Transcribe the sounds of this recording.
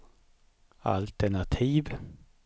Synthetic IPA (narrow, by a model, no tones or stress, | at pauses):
a̰lt̪əɳat̪ʰiːv